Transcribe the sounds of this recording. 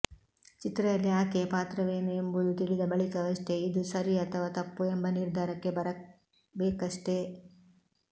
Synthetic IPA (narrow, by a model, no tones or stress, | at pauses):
t͡ʃit̪ɾɐjɐlːiaːkepaːt̪ɾɐʋeːnɐembud̪ut̪iɭid̪ɐbɐɭikɐʋɐʂt̪e̞id̪usɐɾiɐt̪ʰɐʋaːt̪ɐpːuembɐniɾd̪ʱaːɾɐkːe̞bɐɾɐ | beːkɐʂt̪e